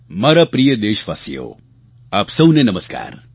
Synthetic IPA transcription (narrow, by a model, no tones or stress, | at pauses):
mɐɾapɾijəd̪eːʃʋa̰ːsijo̰ | aːpsɐnenɐməska̰ːɾ